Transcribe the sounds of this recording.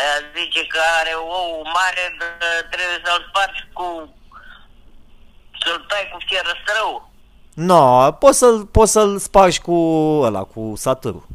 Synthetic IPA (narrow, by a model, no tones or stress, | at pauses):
jazit͡ʃekəaɾeowmaɾed̪aət̪ɾebujesəlspat͡ʃʲku | səlt̪ajkufieɾəsɾəw | napot̪səlpot̪səlspaʃʲkuəla̰kusat̪ɨɾṵ